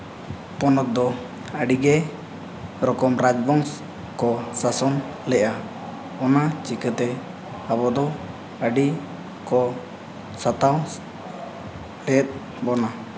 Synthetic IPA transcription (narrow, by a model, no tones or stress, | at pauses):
pɔnɔt̪̚d̪ɔ | əɖiɡɛ | ɾɔkɔmɾad͡ʒbɔŋs | kɔsasɔn | lɛʔa | ɔnat͡ʃikət̪ɛ | abɔd̪ɔ | əɖi | kɔ | sat̪aw | ɾɛt̪̚ˀ | bɔna